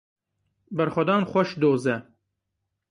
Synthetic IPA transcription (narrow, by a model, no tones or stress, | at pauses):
bɐɾxʷɔd̪ɑːnxɔʃd̪oːzɛ